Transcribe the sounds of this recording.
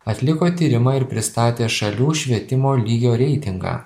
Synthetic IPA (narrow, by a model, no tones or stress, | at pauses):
ɐt̪ʲlʲɪkoːt̪ʲiːɾʲɪmɑɪɾpʲɾʲɪst̪ɑːt̪ʲeːʃɐlʲuːʃʲʋʲiɛt̪ʲɪmoːlʲiːɡʲoːɾʲɛɪt̪ʲɪŋɡɑ̰ː